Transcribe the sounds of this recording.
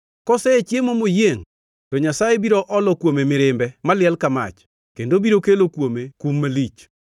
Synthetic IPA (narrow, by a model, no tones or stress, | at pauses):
kɔsɛet͡ʃjemomojeŋ | tɔɲasajebiɾoʔɔlɔkwomemɪɾɪmbɛmalɪɛlkama̰t͡ʃ | kendobiɾokelokwomekumːalit͡ʃ